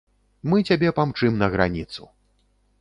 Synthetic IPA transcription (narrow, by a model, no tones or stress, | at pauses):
mɨt͡sʲabʲɛpamt͡ʂɨmnɐɣɾa̰nʲit̪sṵ